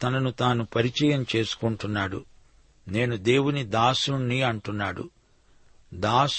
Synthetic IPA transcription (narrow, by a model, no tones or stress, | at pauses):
t̪ɐnɐnut̪aːnupɐɾit͡ʃɐjɐmt͡ʃe̞ːsu̥kuɳʈunːaːɽṵ | ne̞ːnud̪e̞ːwunid̪aːsuɳːiɐɳʈunːaːɽṵ | d̪aːs